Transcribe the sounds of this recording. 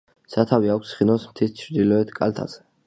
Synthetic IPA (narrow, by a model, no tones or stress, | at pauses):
sat̪ʰaviakʷʰsχinɔsmt̪ʰist͡ʃʰɾd̪ilɔɛt̪ʰkʼa̰lt̪ʰa̰sɛ